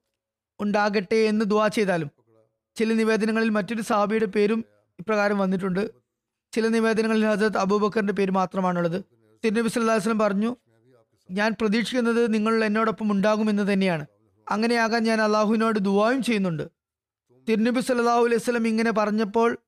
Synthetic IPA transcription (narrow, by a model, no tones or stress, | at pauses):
uɳɖaːɣeʈːeːnːɨd̪uaːt͡ɕe̞jt̪aːlum | t͡ɕilɐniʋe̞ːd̪ɐnɐŋːɐɭilmɐtːo̞ɾusɐɦɐbʱijuɽe̞pe̞ːɾum | ipːrɐɣaːɾɐmʋɐnːiʈ̬ːuɳɖɨ | t͡ɕilɐniʋe̞ːd̪ɐnɐŋːɐɭilhɐzrɐt̪̬ɐbuːbɐkːɐrinde̞p̬e̞ːɾumaːt̪rɐmaːɳuɭːɐðɨ | t̪iɾnɐbisɐlɐlːaːhljs̬ɐlːɐmpɐrɐɲːu | ɲaːnprɐðiːkʂikʲːunːɐðɨniŋːɐɭuɭːɐenːo̞ːɽo̞pːɐmuɳɖaːɣume̞nːɨt̪̬ɐnːe̞jaːɳɨ | ɐŋːɐne̞jaːɣaːnɲaːnɐlːaːɦuʋino̞ːɽɨd̪uʋaːjumt͡ɕe̞jːunːuɳɖɨ | t̪iɾnɐbisɐlːɐlːaːhuɐlɐjusɐlːɐmiŋːɐne̞p̬ɐrɐɲːɐpːo̞ːɭ